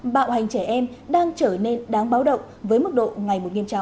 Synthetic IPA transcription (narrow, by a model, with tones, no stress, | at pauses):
ɓa̰ː˧˨wha˨˩jŋ̟t͡ɕɛ˧˩ʔɛ˧mɗaː˧ŋt͡ɕəː˧˩ne˧nɗaː˨˦ŋɓaː˨˦wɗə̰˧˨wŋ͡m | vəː˨˦jmɨ˦˥k̚ɗo̰˧˨ŋa˨˩jmo˨˩t̚ŋi˧əmt͡ɕa̰˨˧˦